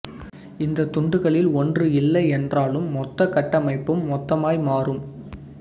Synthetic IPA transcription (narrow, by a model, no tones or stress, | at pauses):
ɪnd̪ɐt̪ʊɳɖɯɣɐɭɪlɔndrɯɪlːɐɪɛndraːlɯmːɔt̪ːɐkɐʈːɐmɐɪpːɯmːɔt̪ːɐmaːjmaːrɯm